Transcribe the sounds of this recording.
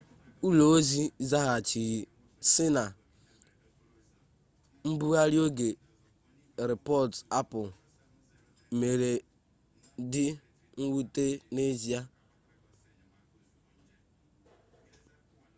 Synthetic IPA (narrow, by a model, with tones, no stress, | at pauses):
u˦lo˨o˦zi˦za˦ɦa˨t͡ʃi˨ɣi˨ | sɪ˦na˨ | m̩˦bu˦ɣa˦ɾjo˦ɡe˨ | ɾɪ˨pɔ˦˨ta˦pʊ˨ | me˨ɾe˨ | dɪ˦ | ŋ̩˦wu˦te˦ne˦zi˦a˦